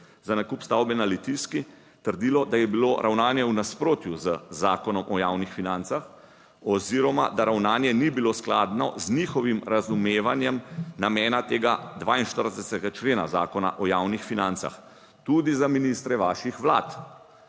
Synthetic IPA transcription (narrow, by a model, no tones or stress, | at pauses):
zanakupst̪awbɛnalit̪iski | t̪əɾd̪ilɔd̪ajɛbiloɾʔawnaːnjɛwnaspɾoːt̪juzəzaːkɔnɔmʔɔjaːwnixfinant̪sax | ɔziɾɔma̰d̪aɾawnaːnjɛnibiloskla̰d̪nɔ̰znixɔʋimɾazumeːʋanjɛmnamɛːnat̪eːɡad̪ʋainʃt̪əɾd̪ɛsɛsɛɡat͡ʃleːna̰za̰ːkɔna̰ʔɔjaːwnixfinant̪sa̰x | t̪ud̪izaminist̪ɾɛʋaːʃixʋlaːt̪